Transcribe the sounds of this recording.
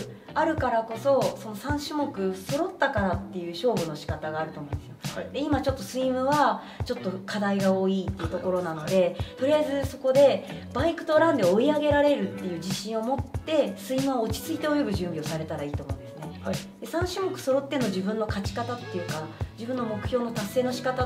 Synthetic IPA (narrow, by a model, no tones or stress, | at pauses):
aɾɯ̟kaɾako̞so̞so̞no̞sãɰ̃ɕɨmo̞kɯ̟so̞ɾo̞t̪ːakaɾat̪ːe̞jɯ̟ːɕo̞ːbɯ̟no̞ɕi̥kat̪aɡaːɾɯ̟o̞ːmõñesɨjod̪̥eimat͡ɕo̞t̪ːo̞sɨimɯ̟βa | t͡ɕo̞t̪ːo̞kʰad̪aiɡao̞ːiːt̪ːe̞iɯ̟t̪o̞ko̞ɾo̞nano̞d̪e̞t̪o̞ɾiaizɨso̞ko̞d̪e̞baikɯ̟̥t̪o̞ɾãnd̪e̞o̞iaɡe̞ɾaɾe̞ɾɯ̟t̪ːe̞jɯ̟ːd͡ʑiɕĩɰ̃o̞mo̞t̪ːe̞sɨimɯ̟βaot͡ɕi̥t͡sɨit̪e̞o̞jo̞bɯ̟ʑɨ̃mbʲio̞saɾe̞t̪aɾaiːt̪oːmõ̞̰ɯ̃nd̪e̞sɨ̥ne̞d̪̥e̞sãɰ̃ɕɨmo̞kɯ̟̥so̞ɾo̞t̪ːe̞noʑibɯ̟̃nːo̞kat͡ɕi̥kat̪at̪ːe̞jɯ̟kad͡ʑibɯ̟̃nːomo̞kɯ̟̥çʲo̞ːno̞t̪asːe̞ːnoɕi̥kat̪a